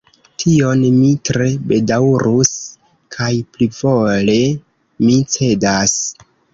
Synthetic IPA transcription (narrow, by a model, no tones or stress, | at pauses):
tʰio̞nmitɾe̞be̞dawɾus | kʰajplivo̞le̞ | mit͡se̞das